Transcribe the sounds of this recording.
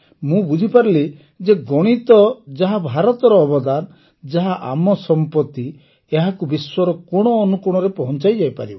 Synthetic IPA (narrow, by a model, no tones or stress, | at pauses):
mũbud͡ʒʱipaɾili | d͡ʒeɡɔɽ̃it̪ɔd͡ʒaɦabʱaɾɔt̪ɔɾɔːbɔd̪an | d͡ʒaɦaʔa̰mɔsɔmpɔt̪i | eɦakubiswɔɾɔkɔɽ̃ɔːnukuɽ̃ɔɾepɔɦɔnt͡ʃajd͡ʒajpa̰ɾibɔ